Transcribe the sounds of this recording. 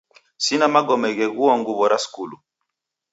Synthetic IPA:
sinamaɡɔmɛɡɛɣuɔŋɡuβɔɾaskulu

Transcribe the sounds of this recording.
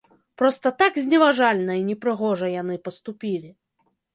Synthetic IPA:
pɾɔst̪ɐt̪aɡzʲnʲɛvaʐalʲnɐinʲɛpɾɨɣɔʐɐjanɨpɐst̪upʲilʲi

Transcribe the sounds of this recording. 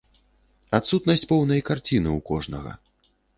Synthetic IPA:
at̪sut̪nɐsʲt͡sʲpɔwn̪ɐjkart͡sʲinɨukɔʐnɐ̰ɣɐ̰

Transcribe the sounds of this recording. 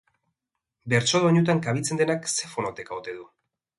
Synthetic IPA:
be̞ɾt͡ʃoðoɲut̪̬aŋkaβ̞it͡send̪e̞nakse̞fonot̪ekaot̪e̞ðu

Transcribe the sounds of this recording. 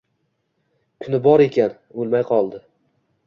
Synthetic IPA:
kʰʊnɪbɒɾe̞kʲan | olˠmajqʰɒlˠd̪ɪ

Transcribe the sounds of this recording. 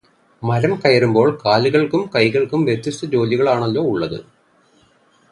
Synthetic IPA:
mɐɾɐmkɐjɐɾumbo̞ːɭkaːluɣɐɭkumkɐjɣɐɭkumʋjet̪jɐst̪ɐd͡ʑo̞ːliɣɐɭaːɳɐlːo̞ːuɭːɐðɨ̰

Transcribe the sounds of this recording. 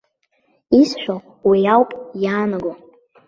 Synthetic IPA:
isʃᶣo | wijawpʼjaːnaɡo

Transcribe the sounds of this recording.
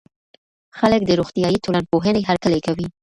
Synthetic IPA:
xalək̚d̪əɾoxt̪ijɑjit̪olan̚poɦəneɦaɾkəlajkawi

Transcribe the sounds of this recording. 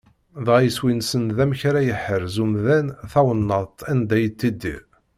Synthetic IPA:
ðʁjəswinsənðæmçɾæjəħəɾzumðænθæwənːəðt̪ænd̪æjət̪ːid̪ːḭʁ

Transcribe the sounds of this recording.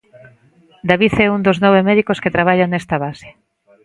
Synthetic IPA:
d̪aβiθɛund̪oznɔβemɛðikosket̪ɾaβ̞aʎaŋnɛst̪aβasɪ̥

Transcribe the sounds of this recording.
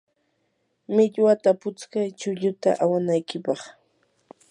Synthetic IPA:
mɪʎwat̪apʊt͡skajt͡ʃʊʎʊt̪a̰ʔawanajkɪpɑχ

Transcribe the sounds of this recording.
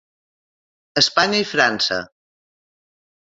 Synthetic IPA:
əspaɲəifɾansə̰

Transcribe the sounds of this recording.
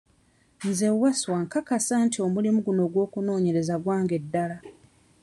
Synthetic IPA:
nzewaswaŋkakasantio̞mulimuɡuno̞ːɡwo̞ːkuno̞ːɲe̞ɾe̞zaɡwaːŋɡe̞dːala

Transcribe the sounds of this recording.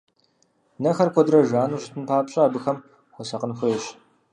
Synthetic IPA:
nɐxɐrkʷʰɔdrɐʒaːnuːɕɪ̥tʰɨnpʰaːpɕʼɐːbɨxɐm | xʷɔsɐqənxʷʊɛɕ

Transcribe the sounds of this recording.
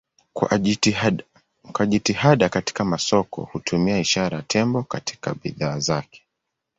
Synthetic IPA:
kwaʄitihaɗakati̥kamasɔkɔ̰hutʰumiaiʃaɾajatʰɛmbɔkatʰi̥ka̰ɓḭðaːzakɛ̥

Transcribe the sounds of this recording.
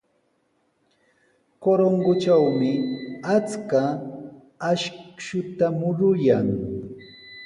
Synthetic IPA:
koɾoŋɡʊt͡ʃawmɪat͡skaː | ʃʃʊt̪amʊɾʊjaŋ

